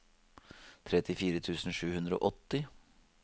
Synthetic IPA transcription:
t̪ʰɾɛt̪ɪfiːɾət̪ʰʉːsn̩ʂʉːhʉnd̪ɾəo̰ːʔɔt̪ːɪ

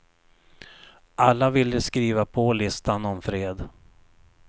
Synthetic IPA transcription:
ʔalːavɪlːəskɾiːvapʰɔlɪst̪anɔmfɾeːd̪

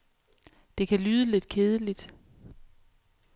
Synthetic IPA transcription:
d̥e̝kʰælyːð̞ˠəle̝d̥kʰe̝ːð̞ˠəlid̥

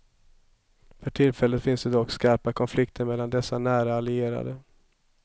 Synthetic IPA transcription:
fœʈʰɪlfɛlːət̪fɪnsd̪ɛd̪ɔkːskaɾpakʰɔnflɪkt̪ʰəɾmɛlːand̪ɛsːanæːɾaalɪeːɾa̰d̪ə

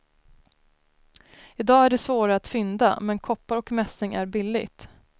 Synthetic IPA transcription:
ɪd̪ɑːæɖɛsvoːɾaat̪fʏnd̪a̰mɛnkʰɔpːaɾɔkmɛsɪŋæɾbɪlːɪ̰ɡt̪

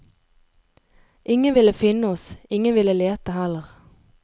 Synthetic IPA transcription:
ʔɪŋənʋɪləfɪnəɔsɪŋənʋɪləleːt̪əhɛləʁ

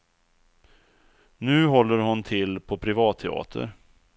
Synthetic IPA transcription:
nʉ̟ːɦɔlːəɾhʊnt̪ʰɪlpʰɔpʰɾɪvɑːt̪ʰːɛɑ̰ːt̪ʰə̰ɾ

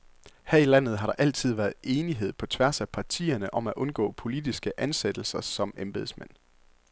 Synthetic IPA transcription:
hæɐ̰ilæn̰ð̞̩ˠɦɑ̈ɾ̥ɑ̈ʔæl̰t͡sʰið̞̰ˠʋæɐðˠe̝ːniɦe̝ð̰ˠpʰɒ̽t͡sʰʋæɐsæpʰɑ̈t͡sʰḭːɐnəʔɒ̽mæʔɔ̽nɡ̥ɔ̰̽ːpʰo̝lid̥isɡ̥əʔænsed̥l̩sɐsɒ̽memb̥e̝ðˠsmen̰

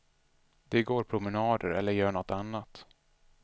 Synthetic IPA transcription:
d̪ɛɡoːɾpʰɾʊmɛnɑːd̪ə̰ɾɛlːəɾjœːɳɔt̪ːanːat̪

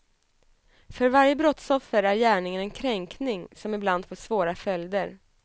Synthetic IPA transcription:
fœɾvaɾjəbɾɔt̪sɔfːəɾæɾjæːɳɪŋənɛnkʰɾɛŋknɪŋsɔmɪbland̪fɔsvoːɾafœld̪əɾ

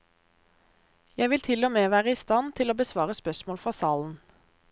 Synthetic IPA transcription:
jæɪʋɪlt̪ʰɪlɔmeːʋæːʁəiːst̪ɑnt̪ʰɪloːbəsʋɑːʁəspœsmoːlfʁɑsɑːln̩

